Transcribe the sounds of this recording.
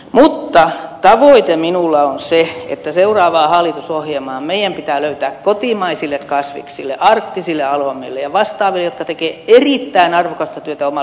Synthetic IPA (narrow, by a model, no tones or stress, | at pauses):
mut̪ːɑt̪ɑʋoit̪eminulːɑonseḛt̪ːæseurɑːʋɑːhɑlːˑit̪usohjelmɑːmeijˑæmpit̪æːløyt̪æːkkot̪imɑisilːekkɑsʋḭksilːḛʔɑrk̚t̪isilːeɑlomːˑḛlːejɑʋɑst̪ɑːʋilːejot̪̚kɑt̪ekeːerit̪ːæinɑrʋokɑst̪ɑt̪yøt̪æomɑ